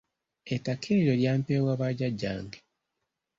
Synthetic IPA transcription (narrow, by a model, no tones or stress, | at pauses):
etakʰeːɾoljaːmpeːwaβaɟaɟːa̰ːŋɡe